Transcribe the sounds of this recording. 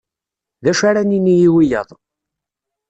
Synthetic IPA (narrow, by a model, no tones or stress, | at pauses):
ðæʃaɾæninijiwijəðˤ